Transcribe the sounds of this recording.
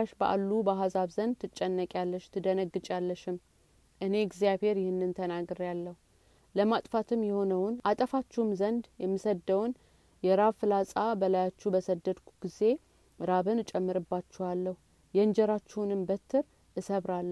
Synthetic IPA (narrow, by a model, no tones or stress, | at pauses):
aʃbəʔa̰lːubəɦasaβzənd̪t̪ʰɨt͡ʃʼːɛnːəkʼjalːət͡ʃːt̪ʰɨd̪ənəɡɨt͡ʃʼalːəʃɪm | ʔɨne̞ɡzijaβhe̞ɾjɪhɨnːɨnt̪ʰənaɡɨɾjalːəhu | ləmat̪ʼfat̪ʰɨmjɛho̞nəwʊnʔat̪ʼəfat͡ʃːɛwɨmzənd̪jɛmːɨsəd̪əwn | jɛɾaβfɨlasʼabəlajat͡ʃːubəsəd̪ːəd̪kʰu̥ɡ̥ize̞ | ɾaβɨnt͡ʃʼɛmːɨɾɨbːat͡ʃːɛhalːəhu | jɛnd͡ʒɛɾat͡ʃːɛwnɨmbət̪ʰːɨɾ | ʔɨsəβɾalːə